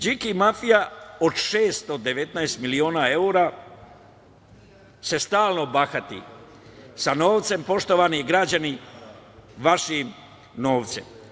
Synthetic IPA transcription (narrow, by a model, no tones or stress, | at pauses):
d͡ʒikimafijaod̪ʃeːst̪od̪e̞ʋe̞t̪naest̪milioːnaeuɾa | se̞st̪aːlˠnobaxat̪ḭ | sanoːʋt̪se̞mpo̞ʃt̪oʋaniɡɾad͡ʑani | ʋaʃim | no̞ːʋt̪sḛm